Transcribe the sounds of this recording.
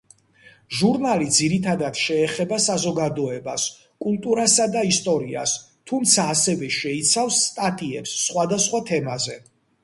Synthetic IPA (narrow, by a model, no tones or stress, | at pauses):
ʒuɾnalid̪ziɾit̪ʰad̪ad̪ʃɛːχɛbasazɔɡad̪ɔɛbas | kʼult̪ʼuɾasad̪aist̪ʼɔɾia̰s | t̪ʰumt̪sʰaːsɛvɛʃɛit̪sʰafsːt̪ʼat̪ʼiɛ̰psːχwad̪asχwat̪ʰɛmazɛ